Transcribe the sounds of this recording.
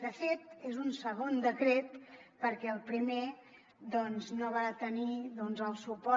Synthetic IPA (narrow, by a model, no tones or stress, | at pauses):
d̪əfet̪ezunsəɣ̞ond̪əkɾet̪pəɾkɛəlˠpɾime | d̪ɔnznoβ̞at̪əniðɔnzəlˠsupɔ